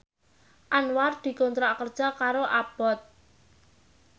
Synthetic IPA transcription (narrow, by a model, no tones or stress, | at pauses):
ʔanward̪̥i̤kont̪ɾaʔkərd̥ʒ̥a̤kaɾoʔab̥ɔ̤t̪̚